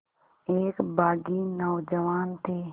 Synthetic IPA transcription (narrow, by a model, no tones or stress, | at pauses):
eːkbaːɡiːnɔːd͡ʒəʋaːnt̪ʰeː